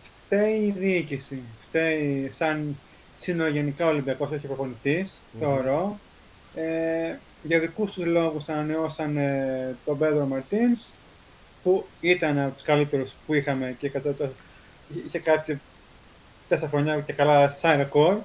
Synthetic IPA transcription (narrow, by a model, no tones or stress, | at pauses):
ft̪eiːðiicisift̪eisɐn | sinooʝe̞nikɐo̞limbiɐko̞soçipɾofo̞niθis | θeooɾo̞ | e | ʝɐðikust̪uzlo̞ɣusɐnɐneo̞sɐnt̪o̞beðɾomɐɾt̪ins | puit̪ɐnɐot̪u̥skɐlit̪e̞ɾuspuixɐme̞cekɐt̪ɐt̪o | içekɐt͡si | t̪eseɐxɾoɲɐcekɐlɐsɐnɾeko̞ɾ